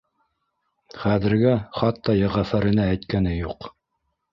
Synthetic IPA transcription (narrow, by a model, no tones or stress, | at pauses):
χæðɘ̆ɾɡæχɑt̪ːɑjæʁæfæɾɘ̆næːjt̪kænɘjuq